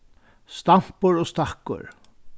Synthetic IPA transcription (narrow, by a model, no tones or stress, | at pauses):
st̪am̥pʊɾoːst̪akːʊ̰ɹ